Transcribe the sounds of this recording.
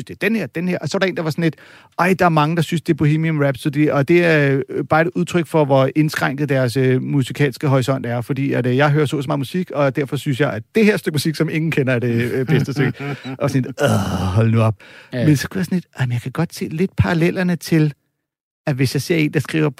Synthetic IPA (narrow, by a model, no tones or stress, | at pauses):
ynsd̥ed̥enheɐ̰d̥enheɐʔɒ̽sɒ̽ʋɑ̈ɾɑḛːnd̥ɑ̈ʋɑ̈sɒ̽nle̝d̥ | ɑɪd̥ɑ̈æɐmɑ̈ŋəd̥ɑ̈synsd̥e̝æɐb̥o̝heːmiɒmʁæb̥sud̥iɒ̽d̥e̝æb̥ɑ̈ːe̝d̥uð̞ˠt͡sʰʁœɡ̥fɒ̽ʋɒ̽e̝nsɡ̥ʁaŋ̰ɡ̥ð̩ˠd̥æɐsømusikʰɛ̰ːlsɡ̥əɦɒʁisɒ̽n̰d̥æɐfɒd̥ḭːæd̥jɑ̈ɪɦøːɐso̰ːsmɑ̈ːmusiɡ̥ɒ̽d̥æɐ̰fɒ̽synsjɑ̈ɪæd̥e̝heɐ̰sd̥øɡ̥əmusiɡ̥sɒ̽me̝ŋn̩kʰenɐæd̥eb̥esd̥əsd̥øɡ̥ɒʋɑ̈sɔnle̝dɔɦɒ̽lənuɒb̥mensɒ̽kʰujɑ̈sɔnle̝d̥ʔɑɪmenjɑ̈kʰæɡ̥ɒ̽d̥se̝̰ːle̝d̥̚pʰɑ̈ʁɑlel̰ɐnət͡sʰe̝l | æʋe̝sjɑ̈ɪse̝ɐ̰e̝̰ːnd̥ɑ̈sɡ̥ʁḭːʊɐpʰ